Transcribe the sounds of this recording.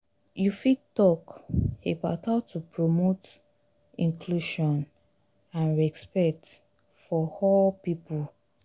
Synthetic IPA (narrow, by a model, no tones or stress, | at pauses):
jufitɔkebaʊthaʊtʰupʰɹomot | ĩŋkʰluʃɔ̃n | ãnɹɛspɛk̚t | fɔhɔpipul